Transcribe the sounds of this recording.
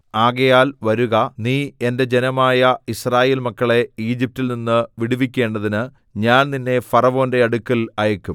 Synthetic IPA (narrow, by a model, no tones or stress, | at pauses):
aːɣɐjaːlʋɐɾuɣɐniːe̞nde̞d͡ʑe̞nɐmaːjɐisraːje̞ːlmɐkːɐɭe̞iːd͡ʑip̚tilninːɨʋiɽuʋikʲːe̞ːɳɖɐðinɨ | ɲaːnninːe̞fɐrɐʋo̞ːnde̞ɐɽukːɐlɐjɐkʲːum